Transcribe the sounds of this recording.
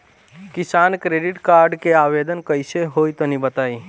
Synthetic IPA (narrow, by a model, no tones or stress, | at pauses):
kɪsaːnkɾeːɖɪʈkaːɾɖkeaːweːd̪ənkəiseɦoːit̪onibət̪aːi